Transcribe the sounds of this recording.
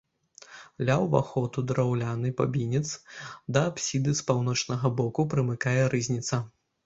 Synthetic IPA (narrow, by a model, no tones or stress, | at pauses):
lʲawva̰xɔt̪ud̪ɾawlʲanɨpabʲinʲit̪sd̪ɐːpsʲid̪ɨspawn̪ɔt͡ʂnɐɣɐbɔkupɾɨmɨkajɛɾɨzʲnʲit̪sɐ